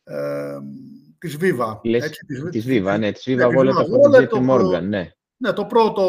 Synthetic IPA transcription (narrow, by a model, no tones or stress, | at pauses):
t̪izvivɐlesizt̪izvivɐnet̪i̥zvivɐɣoleoɐoet̪imo̞ɾɣɐnːe̞ | net̪opɾot̪o